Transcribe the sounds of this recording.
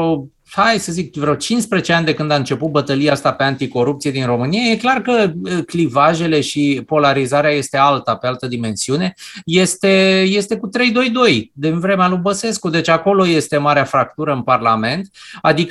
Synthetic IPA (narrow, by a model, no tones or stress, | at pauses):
o | hajsəzik̚vɾeot͡ʃinspɾet͡ʃeanʲd̪e̞kɨnd̪aɨnt͡ʃe̞put̪̚bət̪əliast̪ape̞ant̪iko̞ɾupt̪sijed̪inro̞mɨnijaje̞klarkəklivaʒe̞le̞ʃipo̞laɾizaɾeaje̞st̪e̞alt̪ape̞alt̪əd̪ime̞nsiune̞je̞st̪e̞je̞st̪e̞kut̪ɾe̞jd̪o̞jd̪o̞jd̪invɾe̞mealubəse̞skud̪e̞t͡ʃʲako̞lo̞je̞st̪e̞maɾeafɾak̚t̪uɾəɨnparlame̞nt̪ad̪ik